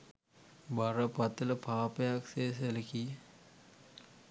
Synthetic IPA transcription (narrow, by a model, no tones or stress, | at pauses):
baɾəpɐt̪ələpʰaːpejakseːseleki